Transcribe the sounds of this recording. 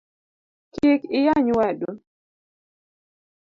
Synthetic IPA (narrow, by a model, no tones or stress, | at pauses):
kikɪjaɲwadu